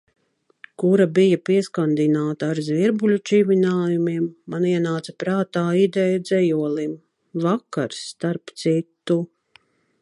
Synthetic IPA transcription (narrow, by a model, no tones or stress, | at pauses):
kuɾabijapiɛskand̪inaːt̪aːɾzviɾbulʲut͡ʃivinaːjumiɛmːaniɛnaːt̪sɐ̥pɾaːt̪aːid̪ɛjd̪zɛjuɔlˠim | vaka̰ɾsːt̪aɾpt̪sit̪ːu